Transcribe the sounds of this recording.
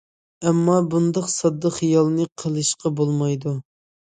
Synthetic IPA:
ɛmːɑbund̪ɑqsɑd̪ːəχijɑlˠnɨqʰəlˠɨʃqɑbolˠmɑjd̪u

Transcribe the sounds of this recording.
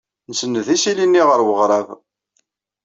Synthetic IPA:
nəsənːəðisilinːiʁəɾwəʁɾˤɑð

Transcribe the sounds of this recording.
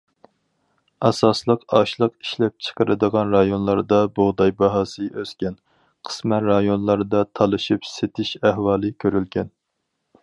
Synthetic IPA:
ɑsɑslˠəqɑʃlˠəqiʃlɛp̚t͡ʃʰə̥qəɾɨd̪əʁɑnɾɑjonlˠɑɾd̪ɑboʁd̪ɑjbɑɦɑːsɨʔøz̥kʲɛn | qʰə̥smɛɾɑjonlˠɑɾd̪ɑt̪ʰɑlˠɨʃipset̪ʰɪʃæɦwɑːlˠɨkʲʰøɾylɡʲɛn

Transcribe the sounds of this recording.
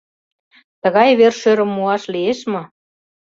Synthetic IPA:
t̪ə̆ɣɑjβerʃøɾə̆mːuɑʃlieʃmɤ̆

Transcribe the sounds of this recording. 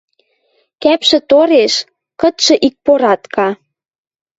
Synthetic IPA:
kæpʃĕt̪oɾeʃ | kɤ̆t̪ʃɤ̆ʔik̚poɾɑt̪kʰɑ

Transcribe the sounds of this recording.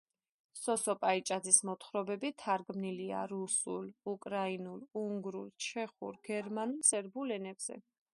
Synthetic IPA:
sɔsɔpʼait͡ʃʼad̪zismɔt̪ʰχɾɔbɛbit̪ʰaɾɡmnilia̰ɾusṵlukʼɾainuluŋɡɾṵlt͡ʃʰɛχṵɾɡ̥ɛɾmanulˠsʼɛɾbulɛnɛbz̥ɛ̰

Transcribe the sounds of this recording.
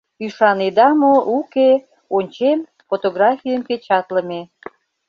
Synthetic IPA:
yʃɑned̪ɑmoʔuke | onʲt͡ɕem | fot̪oɣrɑfijəmket͡ɕɑt̪ləme

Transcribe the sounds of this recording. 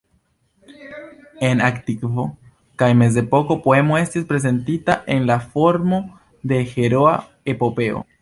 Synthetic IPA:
e̞naktikvo | kajme̞z̬e̞po̞ko̞poe̞mo̞e̞stispɾe̞ze̞ntitaʔe̞nlafo̞ɾmo̞ | de̞xe̞ɾo̞a | epo̞pe̞o̰

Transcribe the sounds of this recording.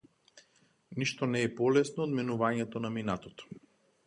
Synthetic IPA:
niʃt̪ɔnɛːpɔlɛsnɔːd̪mɛnuvaɲɛt̪ɔnaminat̪ɔt̪ɔ̥

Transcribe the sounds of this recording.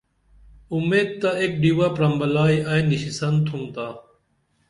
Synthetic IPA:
umeːd̪̚t̪aek̚ɖiwapɾɐmbɐlaːjʔajniɕisɐnt̪ʰumt̪aː

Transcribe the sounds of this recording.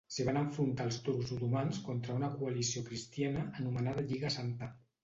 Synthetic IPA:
səβ̞anəɱfɾunt̪aːlˠst̪uɾkzut̪umanskont̪ɾəunəkuəlisiokɾist̪ianəːnumənað̞əʎiɣəsant̪a

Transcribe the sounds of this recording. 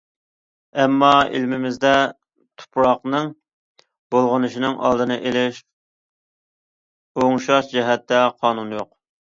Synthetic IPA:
ɛmːɑḭlmɪmɪzd̪ɛ | t̪ʰu̥pɾɑqnɨŋ | bolˠʁənɨʃinɨŋʔɑ̰lˠd̪ɨnɨʔelɪʃ | oŋʃɑʃd͡ʒɛɦɛt̪ːɛqʰɑːnunjoq

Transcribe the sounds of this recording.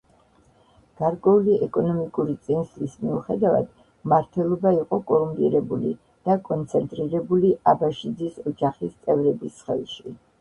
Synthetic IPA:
ɡ̥aɾkʼwɛuliɛkʼɔnɔmikʼuɾit̪sʼinslismiuχɛd̪ava̰d̪̥ | maɾt̪ʰwɛlˠɔbaiqʼɔkʼɔlumpʼḭɾɛbulḭ | d̪̥akʼɔnt̪sʰɛnt̪ʼɾiɾɛbuliʔabaʃid̪zisɔd͡ʒaχist̪sʼɛvɾɛbisχɛ̰lˠʃi

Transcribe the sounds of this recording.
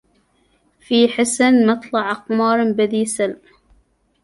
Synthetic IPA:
fiːħɪsanmɑt̪ˤlɑʕʔɑqmɑːɾˤmbɪd̪iːsal

